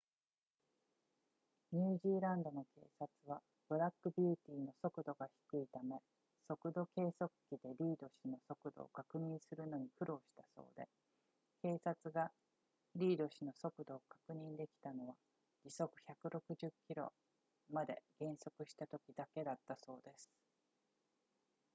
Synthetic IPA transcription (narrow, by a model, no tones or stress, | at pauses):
ɲ̟ɨːʑiːɾãnd̪o̞no̞ke̞ːsat͡sɨβ̞a | b̥ɯ̟ɾakːɯ̟bʲiːt̪ʲiːno̞so̞kɯ̟d̪o̞ɡaçi̥kɯ̟it̪ame̞ | so̞kɯ̟d̪o̞ke̞ːso̞kɯ̟̥kʲid̪e̞ɾʲiːd̪o̞ɕino̞so̞kɯ̟d̪o̰ːkakɯ̟ɲ̟ĩɰ̃sɨɾɯ̟no̞ɲ̟iɸɯ̟ɾo̞ːɕi̥t̪aso̞̰ːd̪e̞ | ke̞ːsat͡sɨɡa | ɾʲiːd̪o̞ɕino̞so̞kɯ̟d̪o̞ːkḁkɯ̟ɲ̟ĩnd̪e̞kʲi̥t̪ano̞β̞a | d͡ʑiso̞kɯ̟̥çakɯ̟ɾʔo̞kɯ̟ʑɨkʲːiɾo̞̰ | mad̪e̞̰ɡ̥ẽ̞ɰ̃so̞kɯ̟ɕi̥t̪at̪o̞kʲid̪ake̞d̪at̪ːaso̞ːd̪e̞sɨ̥